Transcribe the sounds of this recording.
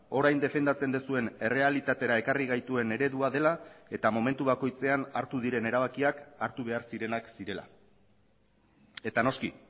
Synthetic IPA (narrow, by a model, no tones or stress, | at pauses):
o̞ɾajnd̪e̞fe̞nd̪at͡se̞nd̪usue̞ne̞re̞alit̪at̪e̞ɾae̞kariɣ̞ajt̪ue̞ne̞ɾe̞ðuaðe̞lae̞t̪amo̞me̞nt̪uβ̞ako̞jt͡se̞anaɾt̪uðiɾe̞ne̞ɾaβakiakaɾt̪uβ̞e̞aɾsiɾe̞naksiɾe̞la̰ | e̞t̪ano̞skḭ